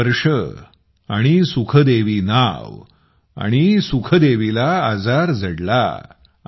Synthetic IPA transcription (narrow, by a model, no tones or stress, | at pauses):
əɾʂə | a̰ɽ̃isukʰəd̪eʋiːnaʋ | a̰ɽ̃isukʰəd̪eʋilaːd͡zaɾd͡zəɽla̰